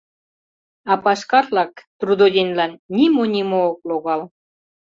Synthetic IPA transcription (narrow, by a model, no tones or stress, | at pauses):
ɑpɑʃkɑrlɑkt̪rud̪od̪ʲenlɑnnimonʲimoːk̚loɣɑl